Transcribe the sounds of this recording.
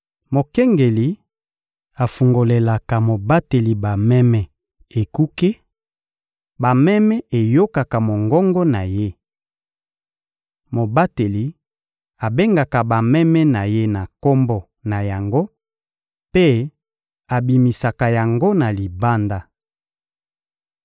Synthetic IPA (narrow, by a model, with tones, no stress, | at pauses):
mo˨kɛ˦ŋɡe˨li˨ | a˨fu˨ŋɡo˨le˨la˨ka˨mo˨ba˦te˨li˨ba˨mɛ˦mɛ˨ | e˨ku˦ke˦ | ba˨mɛ˦mɛ˦e˨jo˦ka˨ka˨mo˨ŋɡɔ˦ŋɡɔ˦na˨je˦ | mo˨ba˦te˨li˨ | a˨be˦ŋɡa˨ka˨ba˨mɛ˦mɛ˦na˨je˦na˨ko˦mbɔ˨ | na˨ja˨ŋɡo˦ | pe˦ | a˨bi˨mi˨sa˨ka˨ja˨ŋɡo˦na˨li˨ba˦nda˦